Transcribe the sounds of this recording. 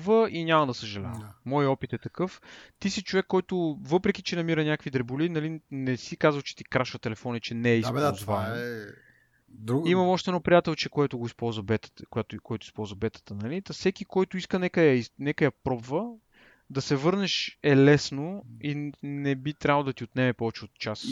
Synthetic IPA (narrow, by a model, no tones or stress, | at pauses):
vəʔiɲʲamɐd̪ɐsəʒɐlʲa̰ɛmɔjɔpit̪ɛt̪ɐkɤft̪isit͡ʃovɛkːɔjt̪ʊvɤpɾɛk̟it͡ʃɛnɐmiɾənʲakəkvid̪ɾɛbʊlinɐlinɛsikazvəlˠt͡ʃɛ̥t̪ikɾaʃvət̪ɛlɛfɔnɐit͡ʃɛnɛːiszvaɛ | d̪ɾuɡimɐmɔʃt̪ɛd̪nɔpɾijat̪ɛlˠt͡ʃɛkoɛt̪ʊɡoispɔlˠzvəbɛt̪ə̥kojat̪ʊkoɛjt̪ʊispɔlˠzvɐbɛt̪ə̥t̪ənɐlit̪ɐsɛkikɔjt̪ʊiskənɛkəjɐinɛkəjɐpɾɔbvə | d̪ɐsɛvɤɾnɛʃɛlɛsnoinɛbit̪ɾʲabəlˠʊd̪ɐt̪iot̪nɛmɛpɔvɛt͡ʃɛot̪̚t͡ʃas